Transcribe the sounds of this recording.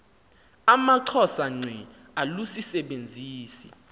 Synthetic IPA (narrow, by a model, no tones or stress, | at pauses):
amaǀʰɔsaŋ͡ǀʱwɛ | alusisɛɓend͡zʱiːsi